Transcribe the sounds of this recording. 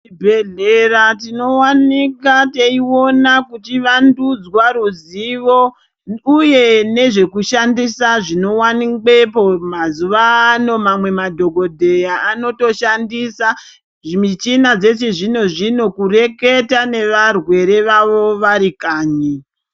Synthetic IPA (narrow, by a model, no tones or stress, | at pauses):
t͡ʃibʱeɮeratino̞wanikateiwo̞nakutiʋandud͡zwaɾuziʋo̞ | uje̞ne̞ʐe̞kuʃandisaʐino̞waniɡ͡bepomazuʋaːno̞mamwe̞madʱo̞ɡʱo̞dʱejaːno̞to̞ʃandisa | ʐmit͡ʃinad͡ze̞t͡ʃeʐino̞ʐino̞kure̞ke̞tane̞ʋarwe̞ɾe̞ʋaʋo̞ʋaɾikaːɲi